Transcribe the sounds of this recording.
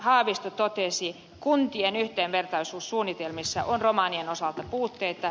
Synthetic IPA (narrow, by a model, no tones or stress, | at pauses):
hɑːʋist̪ot̪ot̪esi | kunt̪ienyht̪eːʋʋert̪ɑisuːssuːnːit̪elmisːɑ̰ʔonromɑːnienosɑlt̪ɑpuːt̪ːeit̪ɑ